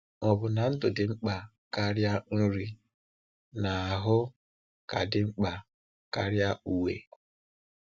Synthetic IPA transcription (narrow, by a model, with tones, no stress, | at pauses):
ɔ˨bʊ˨na˨n̩˦dʊ˨dɪ˨ŋ͡m̩˦k͡pa˨ | ka˦ɾja˦n̩˦ɾi˦ | na˨a˨ɦʊ˦ | ka˨dɪ˨ŋ͡m̩˦k͡pa˨ | ka˦ɾja˦u˨we˨